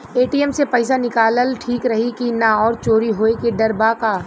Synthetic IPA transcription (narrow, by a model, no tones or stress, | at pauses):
eːʈiːɛmsepɐɪsanɪkaːləlʈʰiːkɾɐɦikinaɔːɾt͡ʃoːɾiɦoːekeɖɐɾbakaː